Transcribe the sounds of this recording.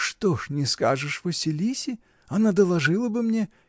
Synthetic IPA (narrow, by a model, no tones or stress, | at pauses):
ʂt̪oʂnʲɪskaʐɨʂvəsʲɪlʲisʲɪ | ɐnad̪əlˠɐʐɨlˠəbɨmnʲe